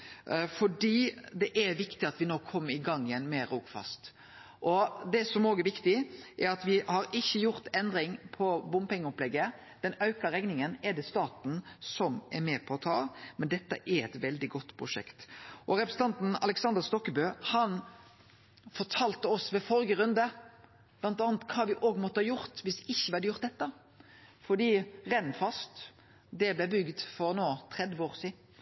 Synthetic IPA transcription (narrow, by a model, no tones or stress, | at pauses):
fɔɖiːd̪ɛʔɛɾʋɪkt̪ɪɑt̪ʋɪnoːkʰɔmːɪɡɑŋːjɛnmɛɾuːkfɑ̰st̪ | ʔɔd̪ɛsɔmoːɡɛɾʋɪkt̪ɪʔɛɾɑt̪ʋɪhɑɾɪçːəjʊɾt̪ɛnd̪ɾɪŋpʰɔbʊmpɛŋːəɔplɛɡːə | d̪̥ɛnɑʉkəɾɛɡnɪŋənɛd̪ɛst̪ɑːt̪n̩sɔmɛɾmeːpʰɔːt̪ʰɑːmɛnd̪ɛt̪ːə̰ʔɛɾɛt̪ʋɛld̪ɪɡɔt̪ːpʰɾʊʂɛ̰kt̪ʔɔɾɛpɾəsn̩ɑnt̪n̩ɑ̰lɛksɑnd̪əst̪ɔkːəbøːhɑn | fɔʈʰɑːlt̪əɔsʋɛfɔɾɡəɾʉnd̪ə | b̥lɑnt̪ɑːnət̪kʰɑːʋɪʔoːɡmɔt̪ːəhɑːjʊɾt̪ʋɪsɪçːəʋɪhɑd̪əjʊʁt̪̚d̪ɛt̪ːə | fɔɖ̪iːʁɛnfɑst̪ | d̪ɛblɛbʏɡd̪fɔɾnoːt̪ʰʁɛd̪ʋəoːʁsiːd̪n̩